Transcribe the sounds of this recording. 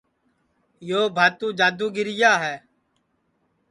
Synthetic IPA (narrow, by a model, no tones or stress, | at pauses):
joːbʱaːt̪ũːd͡ʒaːd̪uːɡɪɾɪjaːɦɛː